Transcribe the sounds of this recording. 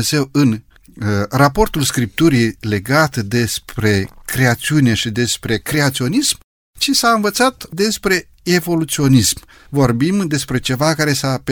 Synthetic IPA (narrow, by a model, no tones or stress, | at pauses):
z̥e̞wɨn | rapo̞rt̪ulskɾip̚t̪uɾijle̞ɡat̪d̪e̞spɾe̞kɾe̞at̪siune̞ʃid̪e̞spɾe̞kɾe̞at̪sio̞nism | t͡ʃisaɨnvət̪sat̪d̪e̞spɾe̞ | e̞vo̞lut̪sio̞nism | vo̞rbimd̪e̞spɾe̞t͡ʃe̞vakaɾe̞sap